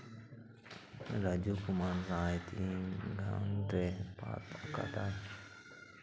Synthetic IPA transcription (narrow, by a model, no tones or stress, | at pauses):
ɾad͡ʒukumansajt̪iɡa̰nd̪ɾepa̰t̪aka̰t̪a